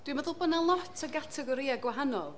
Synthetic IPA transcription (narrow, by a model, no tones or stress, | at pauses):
d̥wiməðʊlˠbənanlˠɔtʰəɡatʰɛɡɔɾiaɡwaɦanɔ̰lˠ